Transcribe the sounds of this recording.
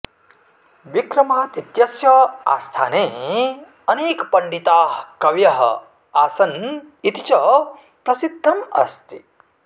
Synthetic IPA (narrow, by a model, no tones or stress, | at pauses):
ʋikɾɐmaːt̪it̪jɐsjɐa̰ːst̪ʰa̰ːneː | ɐneːkpɐɳɖit̪aːɦkɐʋjɐɦɐ̰ | aːsɐn | it̪it͡ʃɐ | pɾɐsid̪ʱːɐmɐ̰st̪i̥